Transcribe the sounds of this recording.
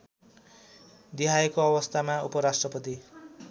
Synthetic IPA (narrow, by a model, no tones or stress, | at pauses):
d̪iɦajekoʌbʌst̪ʰamaupʌɾasʈrʌpʌt̪i